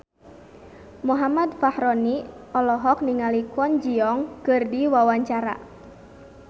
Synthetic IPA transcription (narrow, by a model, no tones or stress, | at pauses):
muɦamad̪fahɾɔniɔlɔɦɔk̚niŋalikɔnd͡ʒiɔŋkɨrdiwawaɲt͡ʃaɾa̰